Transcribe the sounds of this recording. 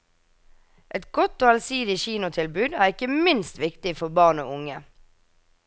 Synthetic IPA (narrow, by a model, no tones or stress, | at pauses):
ʔɛt̪ɡ̥ɔt̪oːɑlsiːd̪ɪçiːnʊt̪ʰɪlbʉːd̪æːʁɪkəmɪnst̪ʋɪkt̪ɪfɔbɑːʁno̰ːʊŋə